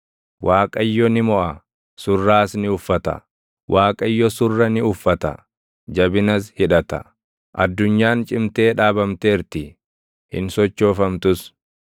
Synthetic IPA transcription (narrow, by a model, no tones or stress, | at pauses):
wʔaːkʼɐjːɔnɪmɔʔɐ | sʊrːaːsnɪʊfːɐt̪ɐ̰ | wʔaːkʼɐjːɔsʊrːɐnɪʊfːɐt̪ɐ̰ | d͡ʒɐbɪnɐshɪᶑɐt̪ɐ̰ | ʔɐd̪ːʊɲːaːnt͡ʃʼɪmt̪e̞ːᶑaːbɐmt̪eːɾt̪ɪ | hɪ̰nsɔt͡ʃːo̞ːfɐmt̪ʊs